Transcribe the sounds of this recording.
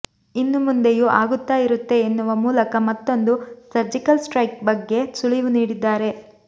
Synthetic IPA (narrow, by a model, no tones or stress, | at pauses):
inːumund̪e̞juʔaːɡut̪ːaːjiɾut̪ːe̞ːnːuʋɐmuːlɐkɐmɐt̪ːo̞nd̪usɐɾd͡ʒikɐlsʈɾɐjk̚bɐɡːe̞suɭiʋuniːɽid̪ːaːɾe̞